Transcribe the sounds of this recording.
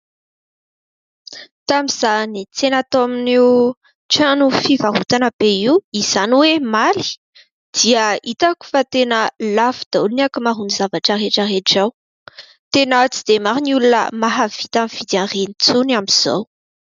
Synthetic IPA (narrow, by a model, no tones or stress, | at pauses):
t̪amizanit͡senat̪oaminew | ʈ͡ʂanufivaɦut̪anəb̥eiwiz̥aniwemali̥ | d̪̥iəit̪aku̥fat̪enəlafu̥d̪̥aunakimaɦunizavaʈ͡ʂəreʈ͡ʂəɦeʈ͡ʂaw | t̪enat͡sid̪̥emaɾinulunə̰maɦavit̪amiv̥id̪iãnrenit͡sunamiz̥o̰w